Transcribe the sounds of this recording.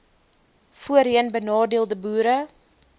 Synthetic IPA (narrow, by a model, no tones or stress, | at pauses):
fuəɾiənbənɑːdiəlˠdəbuːɾə